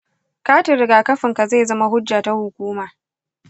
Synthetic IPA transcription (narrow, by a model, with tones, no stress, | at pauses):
kaː˦tɪ˨ɾɪ˨ɡaː˨kɐ˦ɸɪ˨ŋka˨za˦˨zɐ˦ma˦ɦʊ˦d͡ʒːaː˨ta˦hʊ˨kʷuː˦maː˨